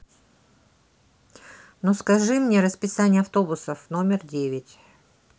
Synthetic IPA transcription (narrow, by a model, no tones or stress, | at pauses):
noskɐʐɨmnʲeɾəspʲɪsanʲɪjəɐft̪o̞bʊsəfno̞mʲɪrdʲevʲɪtʲ